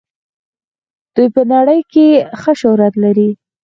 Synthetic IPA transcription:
d̪̥ujpənaɽəjkexəʃʊhɾat̪laɾi

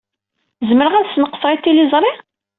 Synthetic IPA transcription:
zməɾəʁæðsnəqːə̥sˤɾˤit̪ːilɪzˤɾˤi

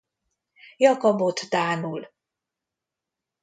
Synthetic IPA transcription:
jɒkɒbot̪d̪aːnul

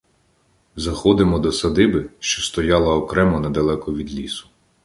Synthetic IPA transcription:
zɐxɔd̪ɪmɔd̪ɔsɐd̪ɪbɪʃt͡ʃɔst̪ɔjɑlˠɐɔkɾɛmɔnɛd̪ɐlˠɛkɔʋʲid̪lʲisʊ̥

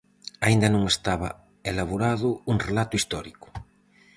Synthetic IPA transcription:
aind̪ɐnõŋest̪aβa̰ | elaβuɾaðʊuŋrelat̪ʊist̪ɔɾikʊ̥

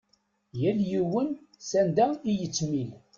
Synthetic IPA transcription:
jæljiwənsænd̪æijət͡sːmil

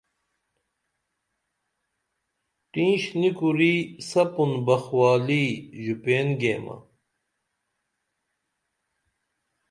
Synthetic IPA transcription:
ʈĩːɕnikuɾiːsɐpunbɐxwaːliʑupeːnɡeːmɐ̰

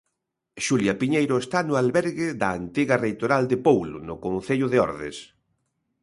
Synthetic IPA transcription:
ʃuljapiɲejɾʊest̪anʊalβɛɾɣɪðɐːnt̪iɣarejt̪oɾald̪ɪpowlʊ̰nʊkõnθeʎʊðeɔ̰ɾðḛs

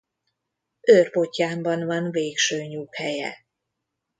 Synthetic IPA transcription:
ʔøːrpocːaːmbɒnvɒnveːkʃøːɲuːkhɛjɛ̰

